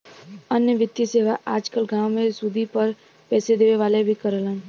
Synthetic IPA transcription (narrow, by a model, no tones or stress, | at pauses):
ənjəʋɪt̪jəseːʋaʔaːd͡ʒkəlɡãːwmẽsud̪ʱipəɾ | pɛːsed̪eːʋeʋaːlebʱikəɾələ̃